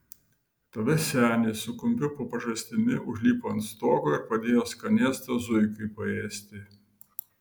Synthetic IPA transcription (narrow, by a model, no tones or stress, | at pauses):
t̪ɐʋʲɛsʲæːnʲeːsʊkʊmʲpʲʊpoːpɐʒɐsʲt̪ʲɪnʲɪʔʊʒʲlʲiːpoːɐnt̪st̪oːkoːɪɾpɐd̪ʲeːjoːskɐnʲeːst̪ɐzʊɪkɐɪpɐeːsʲt̪ʲɪ